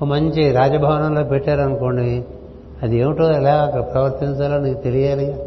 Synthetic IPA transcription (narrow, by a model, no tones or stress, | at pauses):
mɐɲt͡ʃiɾaːd͡ʒɐbʱɐʋɐnɐmloːpeʈːaːɾɐnukoɳɖi | ɐd̪ieːʋiʈoːɐlaːɡakːɐɐpɾɐʋɐɾt̪iɲt͡ʃaːlɐːnikt̪elijaːli